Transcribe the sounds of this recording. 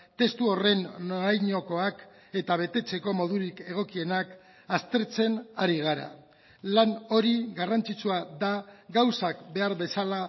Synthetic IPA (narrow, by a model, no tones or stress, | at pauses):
t̪e̞st̪uo̞re̞nːoajɲo̞ko̞ak | e̞t̪aβ̞e̞t̪e̞t͡se̞ko̞mo̞ð̞uɾike̞ɣ̞o̞kie̞nak | ast̪e̞ɾt͡se̞naɾiɣ̞aɾa̰ | lano̞ɾiɣarant͡sit͡suaðaɡawsakbe̞aɾβe̞sala